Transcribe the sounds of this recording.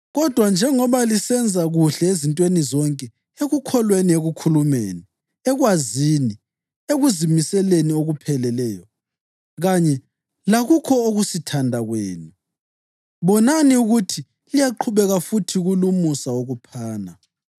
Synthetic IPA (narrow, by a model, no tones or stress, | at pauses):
ɣɔd̥ʱwand͡ʒʱɛŋɔβalisɛnd͡zʱaɣuɬɛezintʼwenizɔŋkʼɛ | eɣukʰɔlwenieɣukʰulumḛːni | ɛɣwazini | eɣuzimisɛlenioɣupʰɛlɛlɛːjɔ | ɣaɲɛ | laɣukʰɔoɣusitʰandʱaɣwḛːni | βɔnaniuɣutʰi | lijaǃʰuβɛɣafutʰiɣulumusaoɣupʰaːna